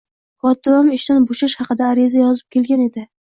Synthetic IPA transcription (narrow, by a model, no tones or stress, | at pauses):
χɒt̪ɪwamɪʃt̪anboʃaʃhɑqɨd̪aːɾɪzajɒzɪp̚kʲʰe̞lɡʲane̞d̪ɪ